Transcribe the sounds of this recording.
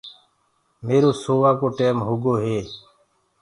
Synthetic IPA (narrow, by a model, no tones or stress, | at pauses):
meːɾoːsoːʋaːkoːʈeːmɦʊɡoːɦeː